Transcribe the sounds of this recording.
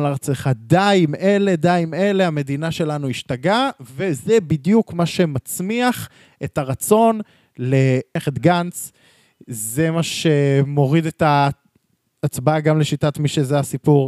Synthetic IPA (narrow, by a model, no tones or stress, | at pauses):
laʁat͡seχadaimele̞daime̞le̞ame̞dinaʃe̞lanuiʃtaɡave̞zebidjukmaʃe̞mat͡smiaχ | etaʁat͡so̞n | leeχet̪ɡant͡s | ze̞maʃemo̞ʁidetaː | t͡sbaɡamleʃitatmiʃezeasipuʁ